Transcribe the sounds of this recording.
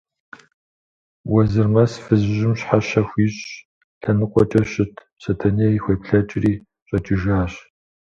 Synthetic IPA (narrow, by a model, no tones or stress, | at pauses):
wɐzɨrmɐsfɨzʑɪmɕħaɕɐxʷiːɕʼ | ɬɐnɨqʷʼɔt͡ʃʼɐɕɪtʰ | ɕɐtʰɐniixʷepɬɐt͡ʃʼɪriː | ɕʼɐt͡ʃʼɪʒaːɕ